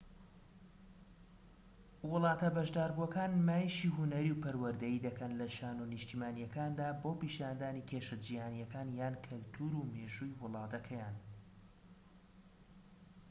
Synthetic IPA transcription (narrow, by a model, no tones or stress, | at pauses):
wɨlˠɑːt̪ɐbɐʒd̪aːɾbuɐkaːnmaːjʃiɦunɐɾiwpɐɾwɐɾd̪ɐjid̪ɐkɐnlɐʃaːnunɨʃt̪imaːnjɐkaːnd̪aːboːpiːʃaːnd̪aːnikʰeːʃɨd͡ʒiːhaːnijɐkaːnjaːnkʰɨlt̪ʰuːɾuːmeːʒujwʊlˠɑːt̪ʰɐkʰɐjaːn